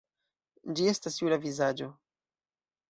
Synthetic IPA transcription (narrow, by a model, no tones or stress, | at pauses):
d͡ʒie̞stasjuɾavizad͡ʒo̞